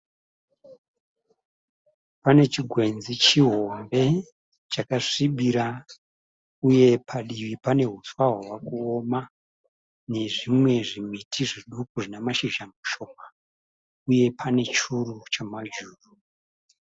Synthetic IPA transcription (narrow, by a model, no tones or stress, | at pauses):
pane̞t͡ʃiɡʱwe̞nzit͡ʃiɦo̞mbe̞ | t͡ʃakaʂiɓiɾa | uje̞pʰaɗiʋipane̞ɦuswaɦowakuoma | ne̞ʐimwe̞ʐimitʰiʐiɗukuʐinemaʃiʒamuʃo̞kḁ | uje̞pʰane̞t͡ʃurut͡ʃamad͡ʒuːru